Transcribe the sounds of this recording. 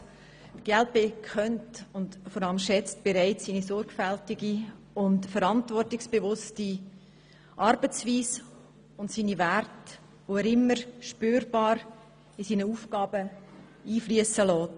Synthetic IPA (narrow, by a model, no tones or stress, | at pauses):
ɡ̥ɛlt̚bekʰœntʊntfɔɾɑləmʃɛt͡st̚b̥eɾaɪt͡ssiːnisɔɾɡ̥fæltɪɡi | ʊntfəɾɑntvɔrtɪksb̥evʊsti | ʔɑɾbət͡sʋiːs | ʊntsiːnivært | ʋoæːɾɪmːəɾʃpøːɾb̥ɑːɾ | isiːnəuːfɡɑːbə | iːflyəsəlɔːt